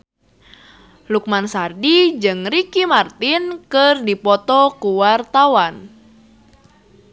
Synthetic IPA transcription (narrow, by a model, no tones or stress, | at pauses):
luk̚mansardid͡ʒɨŋrikimart̪inkɨrdipɔt̪ɔkuwart̪awan